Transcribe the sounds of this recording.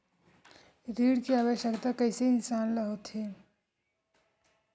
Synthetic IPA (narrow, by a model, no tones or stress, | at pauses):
ɾiːɽkeaːʋəɕjəkt̪akəjseɪnsanləɦot̪ʰɦe